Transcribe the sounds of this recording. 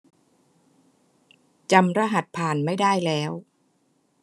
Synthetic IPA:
t͡ɕa˧mɾa˦˥ɦa˨˩t̪̚pʰaː˨˩nma˥˩jdaː˥˩jlɛː˦˥w

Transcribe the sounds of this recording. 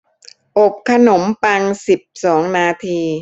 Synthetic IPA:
ʔo˨˩p̚kʰa˧no˩˦mpa˧ŋsi˨˩p̚sɔː˩˦ŋnaː˧t̪ʰiː˧

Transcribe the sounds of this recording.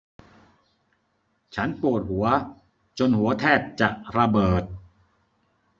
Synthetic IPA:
t͡ɕʰa˦˥npu˨˩ət̪̚hu˩˦ɐ | t͡ɕo˧nhu˩˦ɐt̪ʰɛː˥˩t̪̚t͡ɕa˨˩ʔɾa˧bɤː˨˩t̪̚

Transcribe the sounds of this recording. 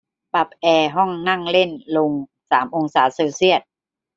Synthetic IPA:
pa˨˩p̚ʔɛː˧ɦɔ˥˩ŋːa˥˩ŋle˥˩nlo˧ŋ | saː˩˦mʔo˧ŋsaː˩˦seː˧wsi˥˩ət̪̚

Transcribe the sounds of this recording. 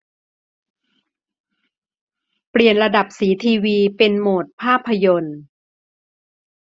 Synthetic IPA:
pɾi˨˩ənɾa˧da˨˩p̚siː˩˦t̪ʰiː˧wiː˧pe˧nmoː˨˩t̪̚pʰaː˥˩pʰːa˧jo˧n

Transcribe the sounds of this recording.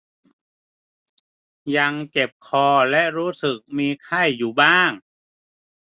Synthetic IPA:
ja˧ŋt͡ɕe˨˩p̚kʰɔː˧lɛ˦˥ʔɾuː˦˥sɯ˨˩k̚miː˧kʰa˥˩jːuː˨˩baː˥˩ŋ

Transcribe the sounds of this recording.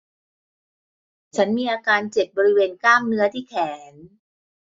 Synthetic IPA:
t͡ɕʰa˦˥nmiː˧ʔaː˧kaː˧nt͡ɕe˨˩p̚bɔː˧ɾi˦˥weː˧nklaː˥˩mnɯ˦˥ɐt̪ʰiː˥˩kʰɛː˩˦n

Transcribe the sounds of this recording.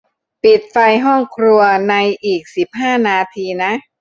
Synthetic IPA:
pi˨˩t̪̚fa˧jɦɔ˥˩ŋkʰɾu˧ɐna˧jʔiː˨˩k̚si˨˩p̚ɦaː˥˩naː˧t̪ʰiː˧na˦˥ʔ

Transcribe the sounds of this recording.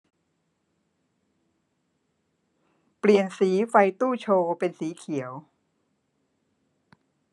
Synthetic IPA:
pli˨˩ənsiː˩˦fa˧jt̪uː˥˩t͡ɕʰoː˧pe˧nsiː˩˦kʰi˩˦əw

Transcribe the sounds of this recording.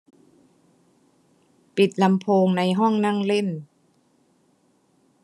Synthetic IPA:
pi˨˩t̪̚la˧mpʰoː˧ŋna˧jɦɔ˥˩ŋna˥˩˨ŋle˥˩n

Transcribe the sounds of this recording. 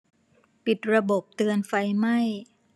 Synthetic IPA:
pi˨˩t̪̚ɾa˧bo˨˩p̚t̪ɯː˧ənfa˧jma˥˩j

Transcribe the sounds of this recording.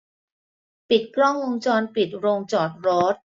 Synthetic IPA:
pi˨˩t̪̚kɾɔ˥˩ŋwo˧ŋt͡ɕɔː˧npi˨˩t̪̚ɾoː˧ŋt͡ɕɔː˨˩t̪̚ɾɔː˦˥t̪̚

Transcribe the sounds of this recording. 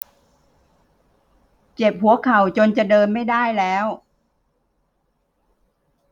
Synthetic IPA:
t͡ɕe˨˩p̚hu˨˩˦ɐkʰa˨˩wt͡ɕo˧nt͡ɕa˨˩dɤː˧nma˥˩jdaː˥˩jlɛː˦˥w

